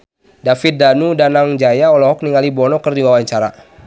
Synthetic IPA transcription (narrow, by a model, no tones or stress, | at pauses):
dafɪt̪̚danudanaŋd͡ʒajaɔlɔɦɔk̚niŋalibɔnɔkərdiwawaɲt͡ʃaɾa